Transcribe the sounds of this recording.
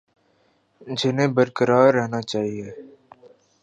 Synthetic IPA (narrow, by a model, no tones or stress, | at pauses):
d͡ʒɪnẽːbəɾkəɾaːɾːɛɦnat͡ʃaːɦieː